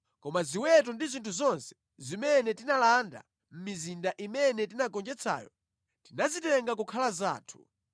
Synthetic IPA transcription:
kɔmaziwɛtɔndizintʰuzɔnsɛ̥ | zimɛnɛtinalanda̰ | m̩mizindaʔimɛnɛtinakɔnd͡ʒɛt͡sʰa̰ːjɔ̰ | tinazitɛŋɡakukʰalaza̰ːtʰu̥

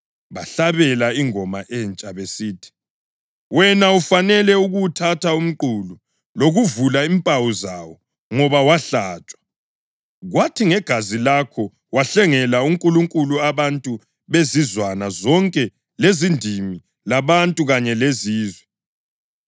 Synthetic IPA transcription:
βaɬaβɛlaiŋɔmaʔɛnt͡ʃʼaβesiːtʰi̥ | wɛnaufanɛlɛuɣutʰatʰaum̩ǃulu | loɣuvulaimpʼawuzawɔ | ŋɔβawaɬaːt͡ʃʼwḁ | ɣwatʰiŋɛɡ̥ʱazilakʰɔ | waɬɛŋɛlauŋkʼuluŋkʼuluaβantʼu | βezizwanazɔŋkʼɛ | lezindʱimi | laβantʼuɣaɲɛleziːzwɛ

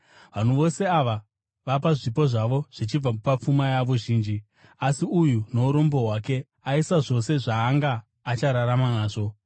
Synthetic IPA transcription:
ʋan̤uʋo̞se̞aʋa | ʋap̬aʐipo̞ʐaʋo̞ʐ̥it͡ʃib͡vapap͡fumajaʋo̞ʒiːnd͡ʒi | asiujuno̞uɾo̞mbo̞ɦwake̞ | aisaʐo̞se̞ʐaːŋɡaː | t͡ʃaɾaɾamanaːʐo̞

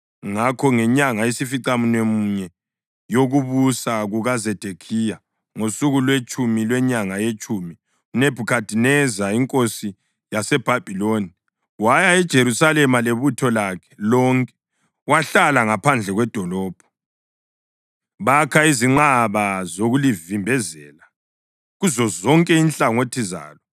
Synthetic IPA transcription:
ŋakʰɔŋɛɲaŋajesifiǀamunemuɲɛ | joɣuβusaɣuɣazɛd̥ʱekʰija | ŋosuɣulwet͡ʃʼumilwɛɲaŋajet͡ʃʼumi | uneb̥ʱukʰad̥ʱinɛzaiŋkʼosi | jasɛb̥ʱab̥ʱiloːni | wajaɛd̥ʒ̥ʱeɾusalɛmaleβutʰɔlakʰɛ̥lɔŋkʼɛ̥ | waɬalaŋapʰand͡ɮʱɛɣwɛd̥ʱɔlɔːb̥ʱɔ̥ | βakʰaiziŋ͡ǃaβazoɣulivimbʱɛzɛːla | ɣuzɔzɔŋkʼɛinɬʼaŋotʰiza̰ːlɔ

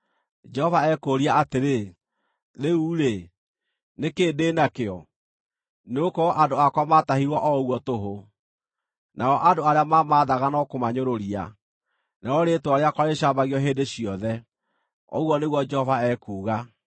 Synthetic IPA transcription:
d͡ʒɛhɔvaɛkoːɾiaateɾe | ðeuːɾe | nekeːdeːnakeɔ | neokɔʔadoakwamatahiɾwɔʔɔɣwɔtoɦo | nʔaɔʔandoaɾeamamaːðaɣanɔkomaɲoɾoɾia̰ | naɔɾetoaɾeakɔɾeɕaːmbaɣiɔɦeːdeɕiɔðɛ | ɔ̰ɣwɔneɣwɔd͡ʒɛhɔvaɛːkuːɣa

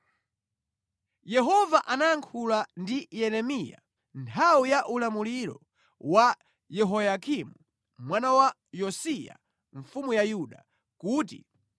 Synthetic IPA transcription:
jɛɦɔvaʔanajaŋkʰulandijɛɾɛmija̰ | ntʰawijaʔulamuliɾɔ̰ | wa | jɛɦɔjakʰimu | mwanawa | jɔsija̰ | ɱfumujajuɗa | kuːtḭ

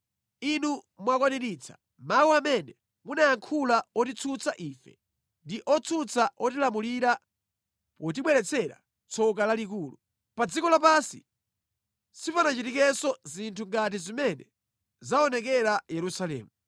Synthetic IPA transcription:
inu | mwakwaniɾiːt͡sʰḁ̰ | mawuamɛnɛ | munajaŋkʰulaɔtit͡sʰut͡saʔiːfɛ | ndiʔɔt͡sʰut͡saʔɔtilamuliɾa | pɔt̬iɓwɛlɛt͡sʰɛɾa̰ | t͡sʰɔk̬alalik̬uːlṵ | pad͡zikɔlap̬asḭ | sifanat͡ʃitikɛsɔzintʰuŋɡat̬izimɛnɛ | zaɔnɛkɛɾajɛɾusalɛ̰ːmu

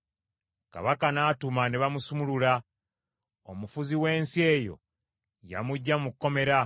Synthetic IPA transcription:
ka̰βakanaːtumaneβamusumulula | omufuziwe̞ːnsie̞ːjo̞̰ | ja̰muɟːamukːo̞me̞ɾa

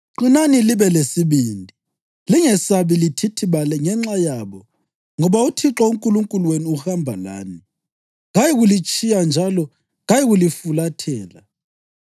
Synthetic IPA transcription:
ǃinaniliβɛlesiβiːndʱi | liŋɛsaβilitʰitʰiβalɛŋɛŋ͡ǁajaβɔ | ŋɔβautʰiǁɔuŋkʼuluŋkʼulweniuhambʱala̰ːni | ɣajɛɣulit͡ʃʼijand͡ʒʱalɔ | ɣajɛɣulifulatʰɛːla

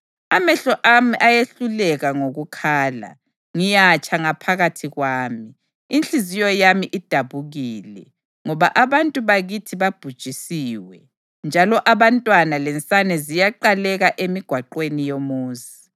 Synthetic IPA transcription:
amɛɬɔʔamiʔajeɬulɛɣaŋoɣukʰaːla̰ | ŋijat͡ʃʰʼaŋapʰaɣatʰiɣwaːmiː | nt͡ɬizijɔjamiʔid̥ʱaβuɣiːlɛ̰ | ŋɔβaʔaβantʼuβaɣitʰiβab̥ʱud̥ʒ̥ʱisiːwɛ | nd͡ʒʱalɔʔaβantʼwanalɛnt͡sʼanɛzijaǃalɛɣaʔemiɡ̥ʱwaǃwenijomuːzi

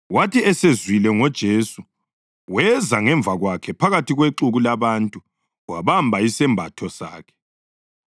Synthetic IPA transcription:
watʰiɛsezwilɛŋɔd̥ʒ̥ʱesu | wɛzaŋɛɱvʱaɣwakʰɛpʰaɣatiɣweǁuɣulaβantʼu | waβambʱaisɛmbʱatʰɔsa̰ːkʰɛ̥

